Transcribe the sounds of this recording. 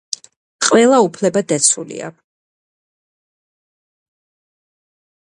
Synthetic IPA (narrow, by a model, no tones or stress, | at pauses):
qʼwɛlˠaupʰlɛbad̪at̪sʰulḭa̰